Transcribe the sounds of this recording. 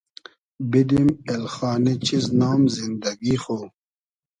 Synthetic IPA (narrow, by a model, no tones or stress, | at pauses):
bid̪imelxaːnit͡ɕʰiznaːmzind̪ɐɡixoː